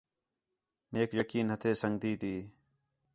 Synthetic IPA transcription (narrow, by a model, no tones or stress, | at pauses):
neːkjəkiːnɦət̪ʰeːsəŋɡ̚d̪iːt̪iː